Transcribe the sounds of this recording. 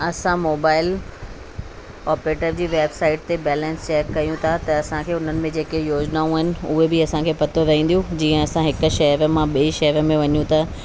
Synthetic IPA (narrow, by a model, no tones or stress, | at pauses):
ɐsãmoːbaːɪl | ɔːpɾeːʈəɾd͡ʑiːʋeːbsaːɪʈ̚t̪ebɛːlɛ̃nst͡ɕɛːkːɐjũt̪ʰat̪ɐɐsãkʰeːʊn̤ənɪ̆mẽd͡ʑeːkejoːd͡ʑnaːũaɦɪnɪ̆ʊɦebɪɐsãkʰeːpɐt̪ʰoɾɐɦĩːn̆d̪ijũd͡ʑiːə̃ɐsãɦɪkʊ̆ʃɐɦɾəmãɓiiʃɐɦɾəmẽʋɐɲjũt̪ʰaː